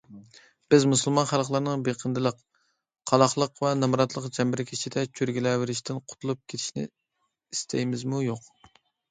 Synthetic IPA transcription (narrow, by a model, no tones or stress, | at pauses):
b̥ɪzmusulˠmɑnχælˠχlˠɨɾnɨŋbeqʰənd̪ɨlˠəqʰ | ɑlˠɑχlˠəqvɛnɑmɾɑt̪lˠəqd͡ʒɛmbɪɾkʲʰit͡ʃʰid̪ɛt͡ʃʰøɾɡʲilɛwɪɾɪʃt̪ʰɪnqʰʊ̥t̪ʰulˠup̚kʲʰet̪ʰɪ̥ʃnɪ̰ | ist̪ʰɛjmɪzmujoq